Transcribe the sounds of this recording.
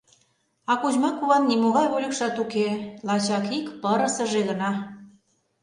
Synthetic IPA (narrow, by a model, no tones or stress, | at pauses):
ɑkuʑmɑkuβɑnːimoɣɑjβolʲə̆kʃɑt̪ukelɑt͡ɕɑkikpəɾə̆sə̆ʒeɣə̆nɑ